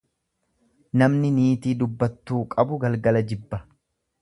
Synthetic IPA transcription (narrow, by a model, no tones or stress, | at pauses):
nɐmnɪniːt̪iːd̪ʊbːɐt̪ːuːkʼɐbʊɡɐlɡɐlɐd͡ʒɪbːɐ